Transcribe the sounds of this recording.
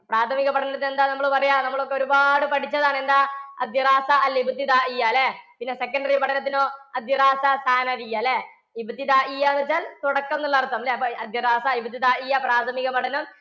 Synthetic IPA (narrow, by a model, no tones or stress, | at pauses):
praːt̪ʰɐmiɣɐpɐʈʰɐnɐt̪ːinend̪aːnɐmːɐɭɨpɐrɐjaːnɐmːɐɭo̞kːe̞o̞ɾubaːɽɨpɐʈʰit͡ɕːɐðaːɳe̞nd̪aːɐ̰d̪jɐraːsaʔɐlibʱut̪ːid̪aːʔijaːlepinːe̞se̞kːɐɳɖɐripɐʈʰɐnɐt̪̬ːinoːɐd̪jɐɾaːsasaːnɐðijaːle | ibʱut̪ːid̪aːʔijːaːnɐt͡ɕːaːlt̪uɽɐkːɐmnːuɭːɐɐrt̪ːɐmleɐd̪jɐɾaːsaibʱut̪ːid̪aːʔijːapraːt̪ʰɐmiɣɐmɐʈʰɐnɐm